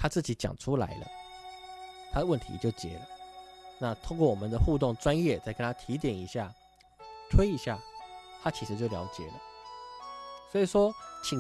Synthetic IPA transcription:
t̪ʰa˥t͡sɹ̩˥˩t͡ɕi˨˥˦t͡ɕjɑ̰˨˩ŋʈ͡ʂʰu˦la̰˧˥ɪlə̰˧ | t̪ʰa˥də˨wə˥˩nt̪ʰḭ˧˥t͡ɕjo˥˩ʊt͡ɕjɛ̰˧˥˦lə˨na˥˨t̪ʰo˥ŋkwɔ˥˩wɔ˨mə˨˦nd̪ə˨xu˥˧t̪ʊ˥˩ŋʈ͡ʂwa˦˥njɛ˥˨t͡sa˥˩kə˥nt̪ʰa˥t̪ʰi˧˥˦t̪̬jɛ˨˩ni˧˥ɕja˥˩ | t̪ʰwe˥ɪi˧˥ɕja˥˩t̪ʰa˦˥t͡ɕʰi˧˥ʂɻ̩˧t͡ɕjo˥˩ʊljɑ˧˥ʊt͡ɕjɛ̰˨˩lə˦ | swɔ˧˥i˨˩ʂwɔ˦˥t͡ɕʰi˨˩ŋ

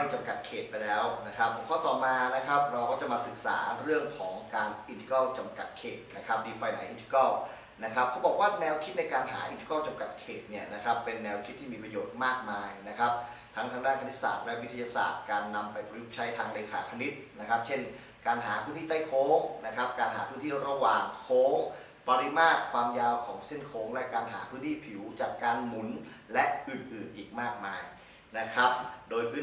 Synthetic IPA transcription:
a˥˩jt͡ɕa˧mka˨˩t̪̚kʰeː˨˩t̪̚pa˧jlɛː˦˥wna˦˥kʰa˦˥p̚ʰːo˨˦kʰɔː˥˩t̪ɔː˨˩maː˧na˦˥kʰa˦˥p̚ɾa˧wkʰɔː˥˩t͡ɕa˨˩ʔmaː˧sɯ˨˩k̚sa̰ː˩˦ɾɯ˥˩əŋkʰɔː˩˦ŋkaː˧nʔi˧nt̪ʰi̥˧kɔ˥˩t͡ɕa˧mka˨˩t̪̚kʰḛː˨˩t̪̚na˦˥kʰa˦˥p̚diː˧faː˧jna˩˦jʔi˧nti̥˧kɔ˥˩w | na˦˥kʰa˦˥p̚ʰɔː˦˥wbɔː˨˩kwaː˥˩nɛː˧wkʰi˦˥t̪̚na˧jkaː˧nɦa̰ː˩˦ʔi˧nt͡ɕi̥˧kɔː˥˩wt͡ɕa˧mka˨˩t̪̚kʰeː˨˩t̪̚ni˥˩ɐna˦˥kʰa˦˥pːe˧nːɛː˧wkʰi˦˥t̪ʰːiː˥˩miː˧pɾa˧joː˨˩t̪̚maː˥˩k̚maː˧jna˦˥kʰa˦˥p̚ | t̪ʰa˦˥ŋt̪ʰaː˧ŋdaː˥˩nkʰa˧ni˦˥t̪̚sa̰ː˨˩t̪̚lɛ˦˥wi˦˥t̪ʰːa˧ja˧sa̰ː˨˩t̪̚kaː˧nːa˧mpa˧jpɾa˧ju˦˥t͡ɕʰa˦˥jt̪ʰaː˧ŋleː˧kʰaː˩˦kʰa˧ni˦˥t̪̚na˦˥kʰa˦˥p̚t͡ɕʰe˥˩n | kaː˧nɦaː˩˦pʰɯː˧˥nʰiː˥˩t̪a˥˩jkʰoː˦˥k̚na˦˥kʰa˦˥p̚kaː˧nɦa̰ː˩˦pʰɯː˥˩nt̪ʰiː˥˩o˦˥t̪ɾa˧waː˨˩ŋkʰoː˦˥ŋ | pa˧ɾi˦˥maː˥˩t̚kʰwaː˧mjaː˧wkʰɔː˩˦ŋse˥˩nkʰoː˧˥ŋlɛ˦˥kaː˧nɦa̰ː˩˦pʰɯː˥nt̪ʰiː˥˩pʰi˩˦wt͡ɕaː˨˩kːaː˧nmu˨˩˦nlɛ˦˥ʔɯ˨˩nʔɯː˨˩nʔiː˨˩k̚maː˥˩k̚maː˧j | na˦˥kʰa˦˥p̚doː˧jpʰɯ˦˥

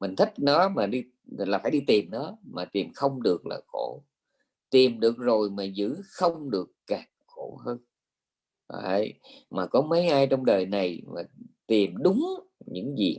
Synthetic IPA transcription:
mï˨˩ŋ̟t̪ʰi˦˥k̟̚nɔ˨˦maː˨˩ɗi˧ | laː˨˩faː˧˩jɗi˧t̪i˨˩mnɔ˨˦maː˨˩t̪i˨˩əmxə˧wŋ͡mɗɨ˨˩ək̚la̰ː˨˩xo˧˩ | t̪i˨˩mɗɨ˨˩ək̚zo˨˩jmaː˨˩zɨ̰˧˥xə˧wŋ͡mɗɨ˨˩əkːaː˨˩ | xo˧˩həː˧n̰˧˩ | ə˧jmaː˨˩kɔ˨˦mə˨˦jʔaː˧jt͡ɕɔ˧wŋ͡mɗəː˨˩jna˨˩jma̰ː˨˩t̪i˨˩mɗʊ˨˦ŋ͡m | ɲɨ̰˧˥ŋzḭ˨˩

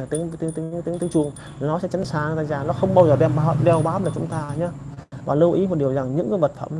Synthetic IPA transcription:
t̪i˨˦ŋ˧˩t̪i˨˦ŋt̪i˨˦ŋt̪i˨˦ŋt̪i˨˦ŋt͡ɕu˧˩əŋ | nɔ˨˦sɛ̰˧˥t͡ɕa˨˦ŋ̟saː˨˧˩t̪aː˧˨jzaː˨˩nɔ˨˦xə˧wŋ͡mɓaː˧wzəː˨˩ɗɛ˧mɓaː˨˦wɗɛ˧˩wɓaː˨˦wəː˨˩t͡ɕʊ˨˦ŋ͡mt̪aː˧ɲaː˧˦vaː˨˩lə˧wʔi˨˦m˨˩t̚ɗi˨˩əwza˨˩ŋɲɨ̰˧˥ŋkə˨˦jvə˨˩t̚fə̰˧˩˨m

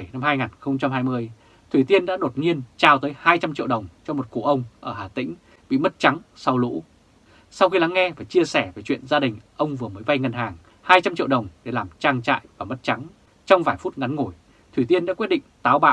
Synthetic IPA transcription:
jna˧mhaː˧jŋaː˨˩nxə˧wŋ͡mt͡ɕa˧mɦaː˧jmɨ˧əj | t̪ʰwi˧˩t̪i˧ənɗa̰ː˧˥ɗo˨˩t̚ŋi˧ənt͡ɕaː˧˩wt̪əː˨˦jhaː˧jt͡ɕa˧mt͡ɕḭ˧˨əwɗə˨˩wŋ͡mt͡ɕɔ˧mo˨˩t̚ku˧˩ʔə˧wŋ͡mʔəː˧˩haː˨˩t̪ḭ˧˥ŋ̟ | ɓḭ˧˨mə˦˥t̚t͡ɕa˨˦ŋsa˧wlṵ˧˥ | sa˧wxi˧la˨˦ŋːɛ˧vaː˨˩t͡ɕi˧əsɛ˧˩ve˨˩t͡ɕwḭ˧˨ənzaː˧ɗï˨˩ŋ̟ʔə˧wŋ͡mvɨ˨˩əməː˨˦jɓa˧jŋə˨˧˩nɦaː˨˩ŋ | haː˧jt͡ɕa˧mt͡ɕḭ˧˨wɗə˨˩wŋ͡mɗe˧˩laː˨˩mt͡ɕaː˧ŋt͡ɕa̰ː˧˨jvaː˨˩m˦˥t̚t͡ɕa˨˦ŋ | t͡ɕɔ˧wŋ͡mvaː˧˩jfu˦˥t̚ŋa˨˦nŋo˧˩j | t̪ʰwi˨˩t̪i˧ənɗa̰ː˥wt̚ɗḭ˧˨ŋ̟t̪aː˨˦wɓa̰ː˧˨w

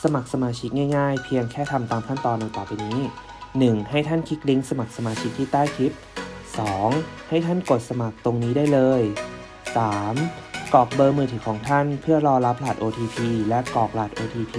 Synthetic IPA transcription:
sa˧ma˨˩k̚sa˧maː˧t͡ɕʰi˦˥k̚ŋaː˥˩jŋaː˥˩jpʰi˧əŋkʰɛː˥˩t̪ʰa˧mt̪aː˧mkʰa˥˩nt̪ɔː˧nːa˨˧˩kaː˨˩piː˧niː˦˥ | nɯ˨˩ŋha˥˩jt̪ʰa˥˩nkʰi˦˥k̚li˦˥ŋsa˧ma˨˩k̚sa˧maː˧t͡ɕʰi˦˥k̚t̪ʰiː˥˩t̪aː˥˩jkʰi˦˥p̚sɔː˩˦ŋha˥˩jt̪ʰa˥˩nko˨˩t̪̚sa˧ma˨˩k̚t̪o˧ŋniː˦˥daː˥˩jlɤː˧j | saː˩˦mkɔː˨˩k̚bɤː˧mɯː˧˩t̪ʰiː˨˩kʰɔː˩˦ŋt̪ʰa˥˩npʰɯ˥˩ɐlɔː˧la˦˥p̚laː˨˩t̪̚ʔoː˧t̪ʰiː˧pʰiː˧lɛ˦˥ʔkɔː˨˩k̚laː˨˩t̪ʔoː˧t̪ʰiː˧pʰiː˧

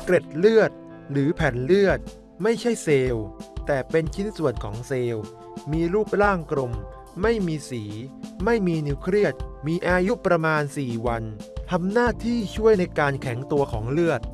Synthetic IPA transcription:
kɾe˨˩t̪̚lɯ˥˩ət̪̚ | ɾɯː˩˦pʰɛː˨˩nlɯ˥˩ət̪̚ | ma˥˩jt͡ɕʰa˥˩jseː˧wt̪ɛː˨˩pe˧nt͡ɕʰi˦˥nsu˨˩ənkʰɔː˩˦ŋseː˧w | miː˧ɾuː˥˩p̚ɾaː˥˩ŋkɾo˧mː | a˥˩jmiː˧siː˩˦ma˥˩jmiː˧niː˧wkʰɾi˥˩ət̪̚miː˧ʔaː˧ju˦˥pɾa˧maː˧nsiː˨˩wa˧nt̪ʰa˧mnaː˥˩t̪ʰiː˥˩t͡ɕʰu˥˩əjna˧jkaː˧nkʰɛ˩˦ŋt̪u˧ɐkʰɔː˩˦ŋlɯ˥˩ət̪̚

